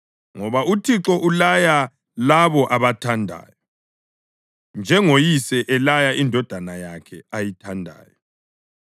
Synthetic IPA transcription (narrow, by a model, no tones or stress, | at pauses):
ŋɔβautʰiǁɔʔulaja | laβɔʔaβatʰandʱa̰ːjɔ | nd͡ʒʱɛŋojisɛʔɛlajaindʱɔd̥ʱanajakʰɛajitʰandʱa̰ːjɔ